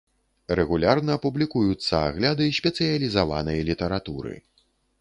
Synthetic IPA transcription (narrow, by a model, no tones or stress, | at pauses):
rɛɣulʲarnɐːpublʲikujut̪sːɐa̰ɣlʲad̪ɨsʲpʲɛt̪sɨjɐlʲizavanɐjɐlʲit̪ɐɾat̪uɾɨ̰